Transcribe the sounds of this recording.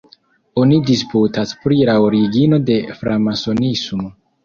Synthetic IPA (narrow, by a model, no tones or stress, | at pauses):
onidisputaspɾilaoɾiɡino̞de̞fɾamaso̞nisumo